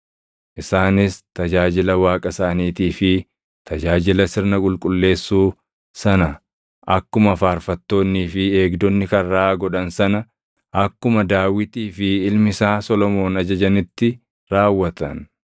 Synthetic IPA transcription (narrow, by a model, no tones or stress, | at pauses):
ʔɪsaːnɪst̪ɐd͡ʒaːd͡ʒɪlɐwaːkʼɐsaːniːt̪iːfɪ | t̪ʰɐd͡ʒaːd͡ʒɪlɐsɪɾnɐkʼʊlkʼʊlːe̞ːsːuː | sɐnɐ | ʔɐkːʊmɐfaːɾfɐt̪ːo̞ːnːiːfɪe̞ːɡd̪ɔnːɪkɐːaːɡɔᶑɐnsɐnɐ | ɐkːʊmɐd̪aːwɪt̪iːfɪːlmɪsaːsɔlɔmo̞ːnɐd͡ʒɐd͡ʒɐnɪt̪ːɪ | ɾaːwːɐt̪ɐ̰n